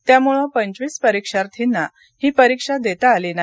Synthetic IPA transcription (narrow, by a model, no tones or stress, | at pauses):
t̪jamuɭə̃pəɲt͡ɕʋiːspəɾikʂaɾt̪ʰinːa | hiːpəɾikʂad̪et̪aːlina